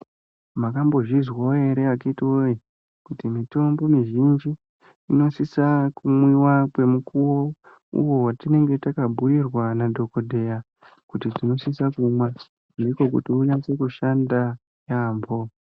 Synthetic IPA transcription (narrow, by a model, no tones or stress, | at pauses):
makambo̞ʐizwaoe̞ɾe̞akaitioje | kutimito̞mbo̞miʒind͡ʒiː | no̞sisakumwiwakwe̞mukuwo̞ | ṵjo̞watine̞ŋɡe̞takabʱuirwanadʱo̞ko̞dʱe̞ja | kutid͡zino̞sisakumwa | ndiko̞k̬utiuɲase̞kuʃanda | jaːmbʱo̞